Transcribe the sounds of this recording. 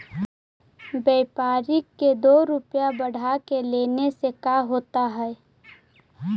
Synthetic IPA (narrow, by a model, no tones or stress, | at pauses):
bɛːpaːɾɪkːed̪oːɾʊpjabəɽ̤akeleːnesekaɦoːt̪aɦɛː